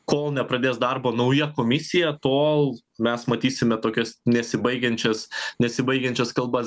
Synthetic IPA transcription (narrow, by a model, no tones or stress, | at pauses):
koːlˠnʲɛpɾɐd̪ʲeːsd̪ɐrboːnɐʊjɛkoːmʲɪsʲɪjɛt̪oːlˠ | mʲɛsmɐt̪ʲiːsʲɪmʲɛt̪oːkʲɛsnʲɛsʲɪbɐɪɡʲɛnʲt͡ʃʲɛsnʲɛsʲɪbɐɪɡʲɛnʲt͡ʃʲɛskɐlˠbɐ